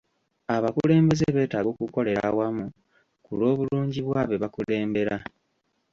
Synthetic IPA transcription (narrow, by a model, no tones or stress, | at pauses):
aβakule̞ːmbe̞zeβe̞ːtaːɡo̞kuko̞le̞ɾa̰wamu | kulo̞ːβuluːɲɟiβwaβeβakule̞ːmbe̞ɾa